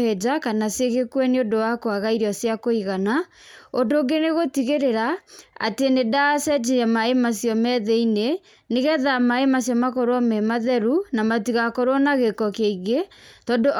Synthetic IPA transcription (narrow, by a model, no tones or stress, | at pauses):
ɛd͡ʑakanaseɣekwɛneondowakoaɣaiɾiɔsjakoiɣana | ondoːɡeneɣotiɣeɾeɾaa̰tenedasɛd͡ʑeamaemasjɔmɛðɛine | neɣɛðamaemasjɔmakɔɾwɔmɛmaðɛɾunamatiɣakɔɾwɔnaɣekɔkeiɣetɔːndoʔ